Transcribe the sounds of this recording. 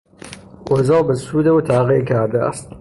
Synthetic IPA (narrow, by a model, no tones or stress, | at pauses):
ozɐlˠbɐsuːd̪ɐwt̪ʰaːʁeːkʰaːɾd̪ɐ̰ʔɐ̰st̪̚